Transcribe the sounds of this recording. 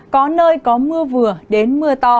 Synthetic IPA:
kɔ˨˦nəː˧jkɔ˨˦mɨ˧əvɨ˨˩əɗe˨˦nmɨ˧ət̪ɔ˧

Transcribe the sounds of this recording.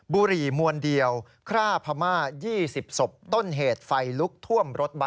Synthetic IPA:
buː˧ɾiː˨˩mu˧əndi˧əw | kʰɾaː˥˩pʰa˧maː˥˩jiː˥˩si˨˩p̚so˨˩p̚t̪o˥˩nɦeː˨˩t̪̚fa˧jlu˦˥k̚t̪ʰu˥˩əmɾo˦˥t̪̚ba˧

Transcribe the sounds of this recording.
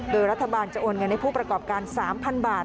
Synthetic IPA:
doː˧jɾa˦˥t̪ʰːa˧baː˧nt͡ɕa˨˩ʔoː˧nŋɤ˧nːa˧˩jpʰuː˥˩pɾa˧kɔː˨˩p̚kaː˧nsaː˩˦mpʰa˧nbaː˨˩t

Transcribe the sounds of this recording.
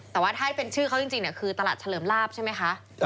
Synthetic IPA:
t̪ɛː˨˩waː˥˩t̪ʰaː˥˩pe˧nt͡ɕʰɯː˥˩kʰa˦˥wt͡ɕi˧ŋt͡ɕi˧ŋni˧˩kʰɯː˧t̪a˧laː˨˩t͡ɕʰa˧lɤː˩˦mlaː˥˩p̚t͡ɕʰa˥˩ma˦˥jxʰa˦˥ʔ

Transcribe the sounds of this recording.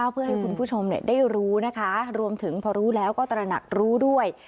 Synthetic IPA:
a˥˩pʰɯ˥˩ɐɦa˥˩jkʰu˧npʰuː˥˩t͡ɕʰo˧mni˥˩daː˥˩jɾuː˦˥na˦˥kʰa˦˥ɾu˧əmt̪ʰɯ˩˦ŋpʰɔː˧ɾuː˦˥lɛː˦˥wkɔː˥˩t̪ɾa˧na̰˨˩k̚ɾuː˦˥du˥˩əj

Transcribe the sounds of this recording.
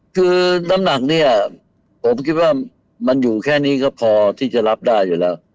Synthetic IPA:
kʰɯː˧na˦˥mna˨˩k̚ni˥˩ɐ | pʰo˩˦mkʰi˦˥t̪̚waː˥˩ | ma˧njuː˨˩kʰɛː˥˩niː˦˥kɔː˥˩pʰɔː˧t̪ʰiː˥˩t͡ɕa˨˩ɾa˦˥p̚daː˥˩jːuː˨˩lɛː˦˥w

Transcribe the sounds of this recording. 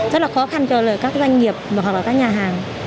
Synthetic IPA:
zə˦˥t̚laː˨˩xɔ˨˦xa˧nt͡ɕɔ˧lə̰ː˧˨jkaː˦˥k̚zwa˧jŋ̟ŋi˨˩əp̚ɨ˨˩w̚laː˨˩kːaː˦˥k̚ɲaː˨˩ɦaː˨˩ŋ

